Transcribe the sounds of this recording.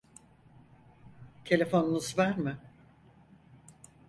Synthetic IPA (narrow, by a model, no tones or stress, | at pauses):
t̪ʰe̞lʲe̞fo̞numuzvaɾmɨ